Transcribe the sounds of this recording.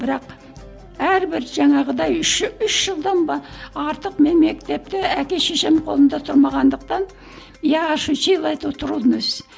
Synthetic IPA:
b̥ɪɾɑq | æɾbɪɾʒɑɴɑʁəd̪ɑjʏʃʏʃʒ̥əlˠd̪ɑnbɑɑɾt̪əqmenme̞k̚t̪e̞p̚t̪ɪækʲe̞ʃeʃemqʰo̞̰lˠənd̪ɑt̪ʰʊɾmɑʁɑnd̪əq̚t̪ɑn | jɑʁɑʃut͡ʃʰejlˠɑjt̪əwt̪ʰʊɾulˠənɵz̥

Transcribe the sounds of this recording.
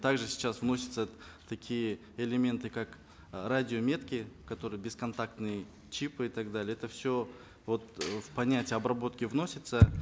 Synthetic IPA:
t̪aɡʐɨsʲɪ̥t͡ɕasvno̞sʲɪ̥t̪sət̪ɐkʲijə | elʲɪmʲe̞nt̪ɨkak | radʲɪomʲe̞t̪kʲɪkɐt̪o̞ɾɨjəbʲɪskɐnt̪ak̚t̪nɨjə | t͡ɕipɨit̪aɡd̪alʲɪɛt̪əfsʲo | vo̞t̪vpɐnʲætʲɪjəɐbrɐbo̞t̪kʲɪvno̞sʲɪt̪sə

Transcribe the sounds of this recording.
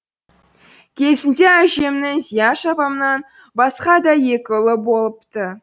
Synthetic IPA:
kʲʰe̞sɪnd̪eæʒemnɪŋzijɑʃɑpɑmənɑn | bɑsqɑd̪ɑje̞kʲɪʊlˠəbo̞lˠəpt̪ə

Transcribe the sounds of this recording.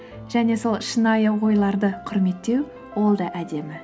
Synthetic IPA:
ʒ̥æne̞so̞lˠʃənɑjəwo̞jlˠɑɾd̪əqʰʊɾme̞t̪ːe̞w | wo̞lˠd̪ɑʔæd̪e̞mɪ

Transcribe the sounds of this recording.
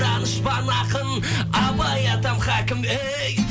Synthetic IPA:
ɑnəʃbɑnɑqən | ɑbɑjɑt̪ɑmχɑkʲɪme | j

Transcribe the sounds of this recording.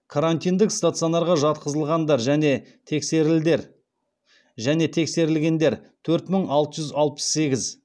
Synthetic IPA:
kʰaɾant̪ijnd̪ɪkst̪at̪sɨionɑɾʁɑʒɑt̪̚qəzəlˠʁɑnd̪ɑɾʒæne̞t̪ʰekseɾɪld̪eɾ | ʒæne̞t̪ʰe̞kse̞ɾɪlɡʲe̞nd̪e̞ɾt̪ʰɵɾt̪məɴɑlˠt̪əʒʏzɑlˠpə̥sːe̞ɡʲɪz

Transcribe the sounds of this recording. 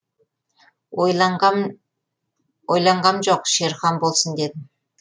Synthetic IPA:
oj | wojlˠɑɴʁɑmʒoqʃeɾχɑnbo̞lˠsənd̪e̞d̪ɪ

